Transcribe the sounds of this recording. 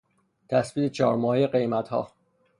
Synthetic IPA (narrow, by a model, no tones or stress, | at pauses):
t̪ʰæsbiːt̪et͡ʃʰɒːɾmɒːhejeɢe̞jmæt̪hɒ̰ː